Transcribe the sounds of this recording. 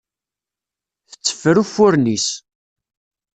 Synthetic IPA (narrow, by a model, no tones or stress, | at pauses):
θə̥t͡sːə̥fəɾufʊɾnis